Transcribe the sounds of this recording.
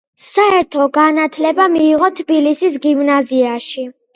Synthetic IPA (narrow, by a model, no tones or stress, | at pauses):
saɛɾt̪ʰɔɡanat̪ʰlɛbamiːʁɔt̪ʰbilisis̬ɡimnaziaʃi